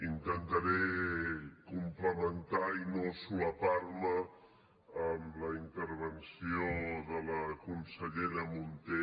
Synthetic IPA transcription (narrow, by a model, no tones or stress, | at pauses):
int̪ənt̪əɾe | kumpləmənt̪ainosuəparmə | əmləint̪əɾβ̞ənsioðələkunsəʎeɾəmunt̪e